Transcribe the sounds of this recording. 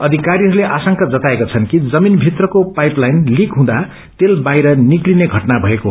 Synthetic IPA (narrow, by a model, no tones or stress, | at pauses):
ʌd̪ʱikaɾiɦʌɾuleʔasʌŋkad͡zʌt̪aekot͡sʰʌnkid͡zʌminbʱit̪rʌkopajplajnlikɦũd̪a | t̪elbajɾʌniklineɡʱʌʈnabʱʌeko